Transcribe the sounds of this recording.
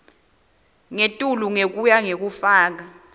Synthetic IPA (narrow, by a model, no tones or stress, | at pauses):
ŋetʼuluŋek̬ujaŋek̬ufaːk̬a